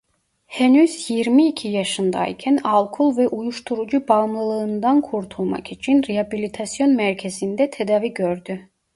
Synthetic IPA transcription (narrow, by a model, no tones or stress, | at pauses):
hɛnyzjiɾmiːcʰijaʃɯnd̪a̰jcʰænalˠkʰulˠvɛʔujuʃt̪ʰuɾud͡ʒubaɯmlˠɯlˠɯːnd̪ankʰuɾt̪ʰulˠma̰kit͡ʃʰinɾeabilʲit̪ʰasjo̞nmæɾcʰe̞zind̪ɛt̪ʰed̪aːviɟøɾd̪y